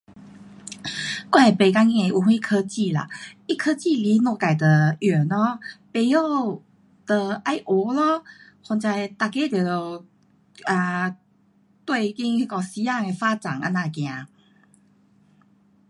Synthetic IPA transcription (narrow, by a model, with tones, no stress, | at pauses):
kwa˥˧˨pe˨˩ka˥ŋi˧e˧ʔu˧˩xwi˥˧kʰə˧t͡ɕi˥˨la̰˨i˥˧kʰə˥˧t͡ɕi˥˨li˧˥nɔ˥˧ka˨˩ɪd̪ə˨˩ɛ˨˩nɔ˧˦pe˨˧˩jo˥˧ | d̪̥ə˧ʔa˧˥ɪʔo˧˩˦lɔ˧˦ | hɔ˧nt͡ɕa˧jt̪a˧˩ke˧˥˦t̪jo˨˩j̪o˧˩ | a˨˧ | t̪we˥˧ɪ˧ki˦˥ŋi˧˩kɔ˧˩si˧˦a˥˧ŋe˧˩fa˦t͡sa˨˩na̰˧˦nã˥˧˩kj̃ã˨˧˦